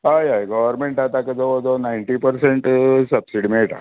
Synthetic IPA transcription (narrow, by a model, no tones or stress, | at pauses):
ajajɡəʋəɾmeɳʈat̪akid͡zod͡zonaiɳʈipəɾseɳʈsəbsiɽimejʈa̰